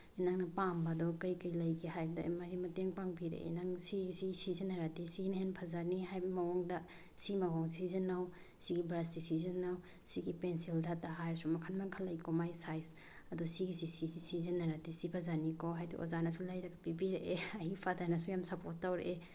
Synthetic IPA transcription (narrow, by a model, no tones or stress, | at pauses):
inaŋnɐpambɐdɔkɐjkɐjlɐjɡihajbda̰maɡimɐteŋpaŋbiɾḛʔḭnaŋsiɡisiɡisizenaɾadisinɦenpʰazanihajbɐmɐwaŋdɐ | simaɡaŋsizenaw | siɡibɾastisizenaw | siɡipensildʰʱataɦajɾsumɐkʰanmaŋkʰalɐjkomajsajs | ɐdusiɡisisizisizenːaɾadisipʰazanikoɦajd̰ʔo̰zanɐsulajɾɐɡɐpibiɾeʔeɐhipʰadanɐsujamsɐpotːawɾḛʔe